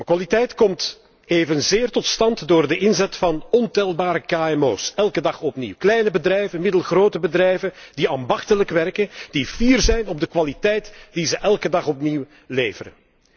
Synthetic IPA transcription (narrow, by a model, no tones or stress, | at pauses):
əkʋalitɛjtkɔmt | eːvənzɪːrtɔtstɑntdoːrdəʔɪnzɛtfɑnɔntɛlˠbaːɾəkaːɛmoːsɛlˠkədɑχɔpnḭwklɛjnəbədrɛjvənmɪdəlˠɣroːwtəbədrɛjvənd̥iaːmbɑxtələkʋɛrkənd̥iv̥iːrzɛjnɔb̚dəkʋalitɛjtd̥izəʔɛlˠkədɑχɔpniw | leːvəɾə̰n